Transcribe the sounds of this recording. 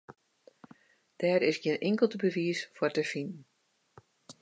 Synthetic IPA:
d̥ɛːɾɪsɡjɪːnʔɪŋkəlˠtəbəʋiəsfʊrtəfinn̩

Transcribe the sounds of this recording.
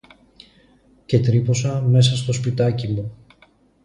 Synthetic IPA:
ce̞t̪ɾipo̞sɐme̞sɐst̪o̞spit̪ɐcimu

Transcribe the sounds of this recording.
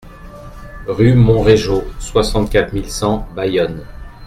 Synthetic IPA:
ʁymɔ̃ʁeʒoswasɑ̃t̪̚kʲat̪χmilsɑ̃bajɔn

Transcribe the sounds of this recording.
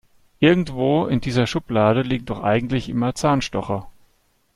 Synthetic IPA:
ʔɪɐɡŋ̩tv̥oːɪndiːzɐʃʊplaːɾəliːɡ̚ŋ̩dɔχʔa̰ɪɡŋ̩tlɪçʔɪ̰mɐt͡saːnʃtɔχɐ

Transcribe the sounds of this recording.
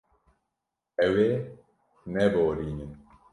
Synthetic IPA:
ɛwe | xnɛboɾiɲən

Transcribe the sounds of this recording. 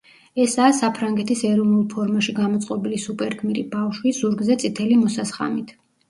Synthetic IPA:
ɛsaːsapʰɾaŋɡɛt̪ʰisɛɾɔnulˠpʰɔɾmaʃiɡamɔt̪sʼqʼɔbilisupʼɛɾkʰmiɾḭbafʃwizuɾɡzɛt̪sʼit̪ʰɛlimɔsasχa̰mit̪ʰ

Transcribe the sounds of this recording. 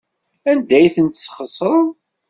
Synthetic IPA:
ænd̪æjθənt̪sːχəsˤɾˤən

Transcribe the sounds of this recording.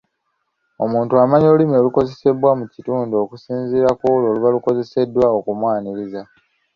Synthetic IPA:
o̞muːntuamaɲo̞ːlimioluko̞ze̞se̞bwamucituːndo̞ːkusiːnziɾakolo̞ːluβaluko̞ze̞se̞dːwaokumwaːniɾiza

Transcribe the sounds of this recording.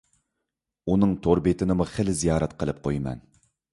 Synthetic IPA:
unɨŋt̪ʰoɾbet̪ʰɪnɪmuχəlɪzijɑːɾɛt̪qʰəlˠɨp̚qʰojmɛ̰n

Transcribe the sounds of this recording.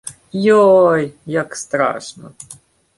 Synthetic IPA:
jojjakst̪ɾa̰ʂnə̰

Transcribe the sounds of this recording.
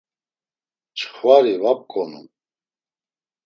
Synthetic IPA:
t͡ʃχvaɾivap̚kʼɔnṵm

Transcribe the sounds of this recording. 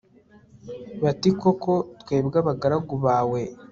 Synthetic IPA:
βatikoko̞twe̞ːbɡaβaɡaɾaɡuβaːwe

